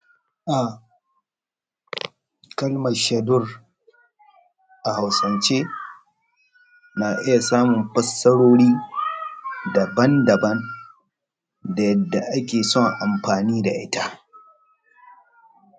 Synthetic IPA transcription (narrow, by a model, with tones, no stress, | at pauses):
ʔa˨ | kɐ˦lmɐ˨ʃɐ˨dʊ˦r | ʔa˨ha˨wsɐ˨nt͡ʃeː˦ | naː˨ʔɪ˦ja˨saː˦mʊ˨mɸɐ˦sːɐ˦ɽoː˦ɽiː˦ | dɐ˨bɐ˦ndɐ˨bɐ˦n | da˨jɐ˦dːa˨ʔa˦kʲeː˨sɔ˦ŋʔa˨mɸaː˨niː˦da˨ʔɪ˦ta˦